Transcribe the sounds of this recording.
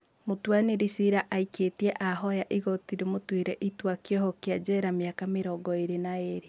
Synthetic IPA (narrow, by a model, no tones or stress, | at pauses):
motwaneɾisiɾaʔaiketiɛʔaɦɔjaʔiɣɔtiɾemotweɾɛʔitwakjɔhɔkead͡ʑɛɾameakameɾɔɡɔeɾenaeɾi